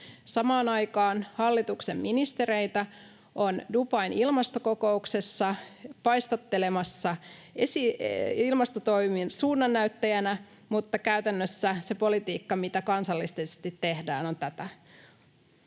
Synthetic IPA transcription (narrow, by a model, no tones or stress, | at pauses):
sɑmɑːnɑjkɑːnhɑlːit̪ukse̞mminist̪e̞ɾejt̪æ | ʔondupɑinilmɑst̪o̞ko̞ko̞ukse̞sːɑpɑjst̪ɑt̪ːe̞le̞mɑsːɑesiilmɑst̪ot̪o̞jminsuːnːɑnːæyt̪ːæjænæ | mut̪ːɑkæyt̪ænːøsːæse̞po̞lit̪iːkːɑmit̪ækɑnsɑlːist̪esst̪it̪ːe̞hdæ̰ːno̞nt̪æt̪æ